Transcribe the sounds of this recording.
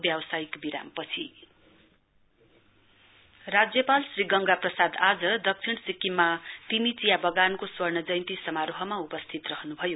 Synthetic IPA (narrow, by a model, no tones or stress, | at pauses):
bjawʌsajkbiɾa̰mpʌt͡sʰi | rad͡zjʌpalsriɡʌŋɡaprʌsad̪ad͡zʌd̪ʌk̚t͡sʰiɽ̃sikːimːat̪imit͡sijabʌɡankoswʌrnʌd͡zʌjnt̪isʌmaɾoɦʌmaupʌst̪ʰit̪rʌɦʌnubʱʌjo